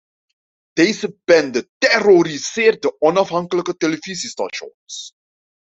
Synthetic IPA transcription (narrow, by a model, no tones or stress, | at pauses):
d̥ejzəbɛndətɛroɾizɪːrt̚dəʔɔnɑfɦɑŋkələkəteləvizistɑ̰ʃɔ̰ns